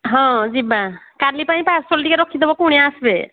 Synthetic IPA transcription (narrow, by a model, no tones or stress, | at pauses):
ɦɔ̃d͡ʒibakaɾlipaĩpasolʈikeɾɔkʰːid̪ʱebɔkuɽijaːsbe